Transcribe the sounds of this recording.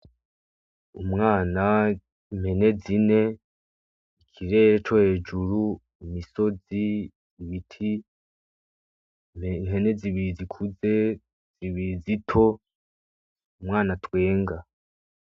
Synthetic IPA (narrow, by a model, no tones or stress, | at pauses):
umŋaːna | mhe̞ne̞zine̞ | ikʰiɾe̞ːɾet͡ʃo̞he̞ːd͡ʒuɾu | imiso̞zi | ziβitʰi | mhe̞ne̞ziβiɾizikʰuze̞ | z̥iβiɾizitʰo̞ | umŋaːnatwe̞ːŋɡa